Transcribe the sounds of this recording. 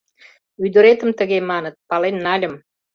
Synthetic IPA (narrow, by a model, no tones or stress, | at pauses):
yd̪əɾet̪əmt̪ə̆ɣemɑnət̪̚pɑlenːɑlʲə̆m